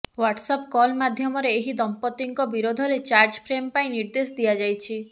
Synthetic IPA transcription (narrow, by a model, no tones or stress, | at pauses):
waʈsɔpkɔlmad̪ʱjɔmɔɾeːɦid̪ɔmpɔt̪iŋkɔbiɾod̪ʱɔɾet͡ʃaɾd͡ʒpʰɾempaĩniɾd̪esɔd̪ijad͡ʒajt͡ʃʰi